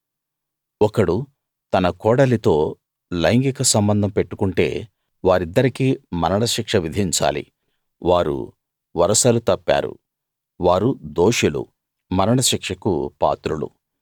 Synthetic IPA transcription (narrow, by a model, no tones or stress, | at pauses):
ɔkɐɽu | t̪ɐnɐkɔːɽɐlit̪o̞ː | lɐjŋɡikɐsɐmbɐnd̪ʱɐmpe̞ʈːu̥kuɳʈe̞ː | ʋaːɾid̪ːɐɾikimɐnɐɳɐʃikʂɐʋid̪ʱiɲt͡ʃa̰ːlḭ | ʋaːɾṵ | ʋɐɾɐsɐlut̪ɐpːa̰ːɾṵ | ʋaːɾud̪oːʂulṵ | mɐɾɐɽɐʃikʂɐkṵpa̰ːt̪ɾulṵ